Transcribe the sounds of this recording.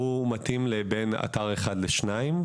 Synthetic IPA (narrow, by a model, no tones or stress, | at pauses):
umat̪imlebena̰taʁeχadleʃnaim